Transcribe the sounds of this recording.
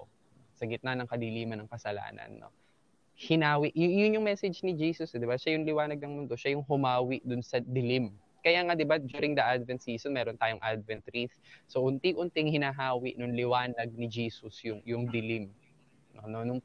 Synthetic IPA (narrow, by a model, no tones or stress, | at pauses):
osɐɡɪt̪̚nɐnɐŋkɐd̪ɪliːmɐnɐŋkɐsɐla̰ːnɐ̰nːo̰ | hɪnaːwɪʔjʊjʊnjʊŋmɛsɛd͡ʒnɪd͡ʒiːsʊsd̪ɪbaʃajʊŋlɪwaːnɐɡ̚nɐŋmʊnd̪o̞ʃajʊŋɦʊmaːwɪʔd̪ʊnsɐd̪ɪlɪm | kɐjaːŋad̪ɪbad͡ʒjuːɾɪŋd̪ɐʔad̪vɛnt̪̚siːsonmɛːɾo̞nt̪aːjoŋʔad̪̚vɛnt̪ɾiθsoʔʊnt̪ɪŋʔʊnt̪ɪŋhɪnaːɦaːwɪʔnʊŋlɪwaːnɐɡ̚nɪd͡ʒiːsʊsjʊŋjʊŋd̪ɪlɪm | nononʊŋ